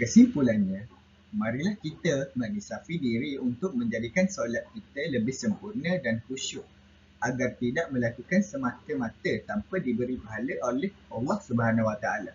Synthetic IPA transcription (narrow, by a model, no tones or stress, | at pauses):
kəsimpulanɲə̃ | mãɾilahkit̪əmanisafidiɾiunt̪ʊk̚mə̃ɲd͡ʒadikansolat̪̚kit̪ələbɪhsəmpurnə̃dankuʃʊʔ̚ | aɡart̪idaʔmə̃lakukansəmãt̪əmãt̪ət̪ampədibəɾibaɦaləʔolɛhalːɑhsubəɦanãwat̪aala